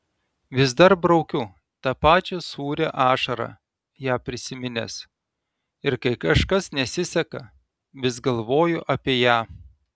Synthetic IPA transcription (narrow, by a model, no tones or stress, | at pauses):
ʋʲɪzd̪ɐɾbɾɒʊkʲʊ | t̪ɑːpɑːt͡ʃʲɛsuːɾʲeʔɑːʃɐɾɑ̰ː | jæːpʲɾʲɪsʲɪmʲɪnʲḛs | ɪɾkɐɪkɐʃkɐsnʲɛsʲɪsʲɛkɐ | ʋʲɪsɡɐlˠʋoːjʊʔɐpʲiːjæː